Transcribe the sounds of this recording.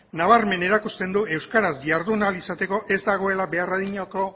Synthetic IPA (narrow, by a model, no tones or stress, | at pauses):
naβ̞aɾme̞ne̞ɾakust̪e̞nd̪ue̞wskaɾazʝaɾðunalisat̪e̞ko̞ʔe̞zd̪aɣ̞o̞e̞labe̞araðiɲako̞